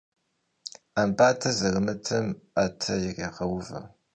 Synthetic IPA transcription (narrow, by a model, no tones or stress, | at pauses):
ambaːtʰɐzɐrɨmɨtʰɐmatʰɐjɪʁeːqɐwʊvɐ̰